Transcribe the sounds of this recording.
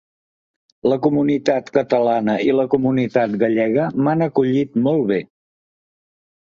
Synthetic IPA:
ləkumunit̪at̪kət̪əlanəiləkumunit̪at̪ɡəʎɛɣəmanəkuʎit̪mɔlˠβe

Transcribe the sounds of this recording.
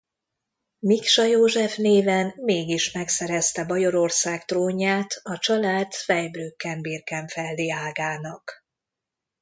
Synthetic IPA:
mikʃɒjoːʒɛfneːvɛnːeːɡiʃmɛksɛɾɛst̪ɛbɒjo̞ɾo̞rsaːkt̪roːɲaːt̪ʰɒt͡ʃɒlaːt̪fɛjbrøːkːɛmbirkɛɱfɛlːiaːɡaːnɒk

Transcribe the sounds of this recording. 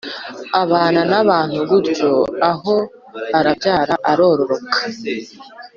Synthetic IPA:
aβaːnanaβaːn̥huβuɾɟo̞aɦo̞ | aɾavjaːɾaʔaɾo̞ːɾo̞ɾo̞kḁ

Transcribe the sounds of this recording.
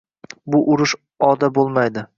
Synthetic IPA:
bʊʔʊɾʊʃ | ɒd̪abolˠmajd̪ɪ

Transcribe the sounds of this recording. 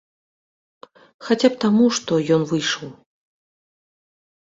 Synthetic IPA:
xat͡sʲap̚t̪amuʂt̪ɔjɔnvɨjʂɐw

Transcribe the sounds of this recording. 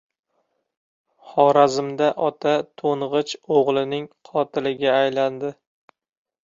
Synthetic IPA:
χɒɾazɪmd̪aʔɒt̪ʰat̪ʰonʁɨt͡ʃoʁlˠɪnɪŋqʰɒt̪ʰɪlɪɡʲaːjland̪ɪ

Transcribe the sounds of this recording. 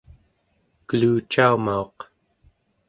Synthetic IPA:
kəluːt͡ʃaumao̞q

